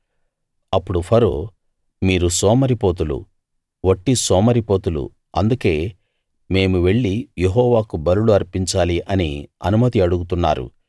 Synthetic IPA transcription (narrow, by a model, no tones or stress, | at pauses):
ɐpːuɽupʰɐɾo̰ː | miːɾusɔːmɐɾipo̞ːt̪̬ulṵ | ʋoʈːisɔːmɐɾipo̞ːt̪ulṵ | ɐnd̪uke̞ː | me̞ːmuʋe̞ɭːijeɦɔːʋaːkubɐɾuluɐɾpiɲt͡ʃaːliʔɐniɐ̰numɐt̪iɐɽuɡut̪unːa̰ːɾṵ